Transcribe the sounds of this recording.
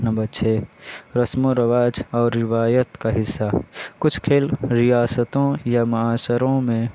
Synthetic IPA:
nɐbət͡ʃʰeɾɐsmoɾəʋaːd͡ʒɔːɾːɪʋaːjət̪kaɦɪsːakʊt͡ʃʰkʰeːlɾɪjaːsət̪õjamɐaːsəɾõmẽ

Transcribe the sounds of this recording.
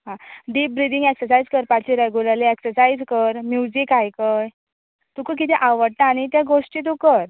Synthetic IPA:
ɦãɖiːp̚bɾid̪ĩŋɡeksəɾsaid͡zkəɾpaɾt͡ɕiɾəɡulaleeksəɾsajd͡zkəɾmjud͡ʑikajkəj | t̪ukək̬it̪ʰɛʔaʋəɽ̚t̪aːɽ̃it̪jaɡoʂʈit̪̬ukəɾ

